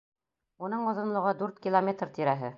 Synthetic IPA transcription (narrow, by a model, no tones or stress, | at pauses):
unɤɴɒ̆ðɤ̆nlˠɤ̆ʁɑd̪ʉɾt̪kʲilˠomʲet̪rt̪iɾæɦɘ